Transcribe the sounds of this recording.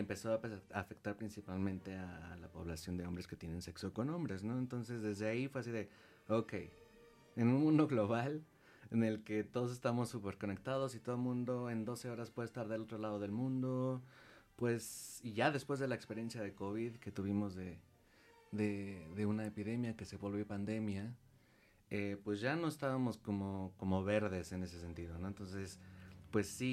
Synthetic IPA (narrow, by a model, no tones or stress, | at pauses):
empe̞so̞aafe̞k̚t̪aɾpɾinsipalmẽ̞nt̪e̞alapo̞βlasjo̞nd̪e̞o̞mbɾe̞ske̞t̪je̞nẽ̞nse̞kso̞ko̞nõ̞mbɾe̞zno̞e̞nt̪o̞nse̞zðe̞zðe̞aifweas̬iðe̞ | oke̞̰j | enũnmũnd̪o̞ɣlo̞β̞al | ene̞lke̞t̪o̞ðo̞s̬e̞st̪amo̞sːupe̞ɾko̞ne̞k̚t̪að̞o̞sit̪o̞ðomũnd̪o̞e̞nd̪o̞se̞o̞ɾaspwe̞ðest̪aɾðelo̞t̪ɾo̞lað̞o̞ðe̞lmũnd̪o̞ | pwe̞siʝaðe̞spwe̞zðe̞laekspe̞ɾje̞nsjað̞e̞ko̞βiðke̞t̪uβ̞imo̞zðe̞ | ðeðe̞unaepiðe̞mjake̞se̞βolβjopand̪e̞mja | epwe̞zʝano̞est̪aβamo̞sko̞moko̞mo̞βe̞ɾðe̞se̞ne̞s̬e̞s̬e̞nt̪iðo̞no̞ent̪o̞nse̞spwe̞sːi